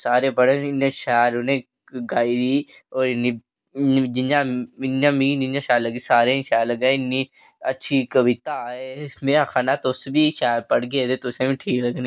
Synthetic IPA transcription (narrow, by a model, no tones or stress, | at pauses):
saːɾepəɽənɪnẽʃaːɾʊnẽ | ɡaːid̪iːoːɾɪnːi | d͡ʒɪnãːɪnãːmĩd͡ʒɪnãːʃaːləɡesaːɾeʃaːɾləɡãɪnːi | ɐ̰ːʃʰikəʋɪt̪aeɪsmẽaxʰaːnat̪osbʱiʃaːɾpəɽɡed̪et̪ʊsemĩʈʰiːkləɡn